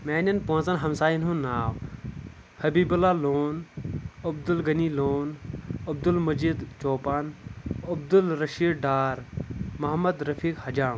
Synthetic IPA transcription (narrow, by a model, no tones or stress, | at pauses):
meːnɐnpõːt͡sɐnɦɐmsaːjinɦũnaːw | hɐbiːbulaːloːnɐb̚d̪ulɡɐniloːnɐb̚d̪ulmɐd͡ʒid̪t͡ʃoːpaːnɐb̚d̪ulɾɐʃiːɽɖaːɾmɐɦɐmɐd̪ɾɐfʰiːkhɐd͡ʒaːm